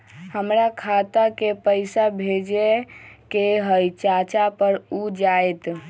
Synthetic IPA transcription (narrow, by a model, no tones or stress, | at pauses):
həmɾakʰat̪akepəɪsabʱed͡ʒekeɦəjt͡ʃat͡ʃapəɾud͡ʒaet̪